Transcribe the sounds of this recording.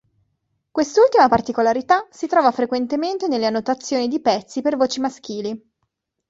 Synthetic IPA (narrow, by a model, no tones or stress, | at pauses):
kwest̪ult̪imapart̪ikolaɾit̪asit̪ɾɔːvafɾekwent̪ement̪enelːeanːot̪at̪sːjoːnid̪ipɛt̪sːipervoːt͡ʃimask̟iːli